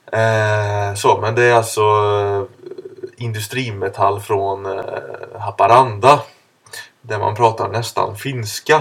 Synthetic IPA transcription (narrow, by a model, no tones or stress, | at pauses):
ɛsomɛnd̪ɛæɾalt̪sɔ | ɪnd̪ɵst̪ɾiːmɛt̪ʰalːfɾɔn | ɦapaɾand̪a | d̪æɾma̰npʰɾɑːt̪a̰ɳɛst̪a̰nfɪnska